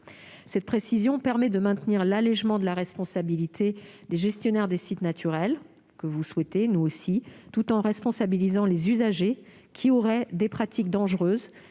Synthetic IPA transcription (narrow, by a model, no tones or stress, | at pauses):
sɛt̪̚pχesizjɔ̃pɛʁmɛd̪əmɛ̃t̪niʁlalɛʒmɑ̃d̪əlaʁɛspɔ̃sabilit̪ʰed̪eʒɛst̪jɔnɛʁd̪esit̪nat̪ʰyʁɛl | kəvuswɛt̪enuosit̪ut̪ɑ̃ʁɛspɔ̃sabilizɑ̃lezyzaʒe | kʲʰiɔʁɛd̪epχat̪ʰik̚d̪ɑ̃ʒʁøːz